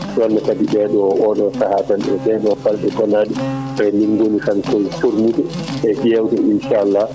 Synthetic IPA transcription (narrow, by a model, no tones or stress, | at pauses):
ɗɔnːakadiɓɛɗɔʔɔɗɔsahatanɗɛtɛɗɔfalɓɛtɔnaːdi | ɾɛniŋɡonikankɔjfoɾmutu | ʔɛʔjɛwtɛinʃalːa